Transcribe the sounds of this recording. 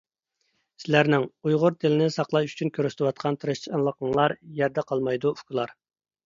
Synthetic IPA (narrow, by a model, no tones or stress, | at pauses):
sɪlæɾnɪŋujʁʊɾd̪ʰɪlɪnɪsɑqlˠɑjy̥t͡ʃʰynkʲʰøɾyst̪ʰɪwɑt̪̚qʰɑnt̪ʰɨɾɨʃt͡ʃʰnlˠəqəŋlˠɑɾjɛɾd̪ɛqʰɑlˠmɑjd̪uʊkʲulˠɑɾ